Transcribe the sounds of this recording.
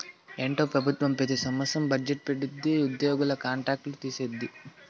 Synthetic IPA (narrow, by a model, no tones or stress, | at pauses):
eːɳʈoːpɾɐbʱut̪ʋɐmpet̪isɐmɐsɐmbɐd͡ʒeʈ̚peɽid̪ːiud̪joːɡulɐkaːɳʈɾaːk̚ʈlut̪iːsed̪ːi